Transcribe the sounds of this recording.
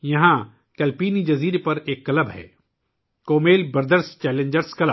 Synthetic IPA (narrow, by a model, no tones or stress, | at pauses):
jɐɦã | kɛːlpiːnid͡ʒɐziːɾepɐɾeːkːɐləbɦɛ̰ː | koːmeːlbɐɾd̪əɾst͡ʃɛːlẽɲd͡ʒəɾskɐləb